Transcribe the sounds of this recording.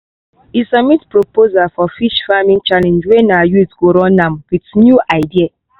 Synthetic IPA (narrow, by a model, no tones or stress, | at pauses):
isamitpɹopozalfɔfiʃfamĩŋt͡ʃalɛ̃nd͡ʒwɛnajutɡoɾɔ̃nãmwitnjuʔaɪdia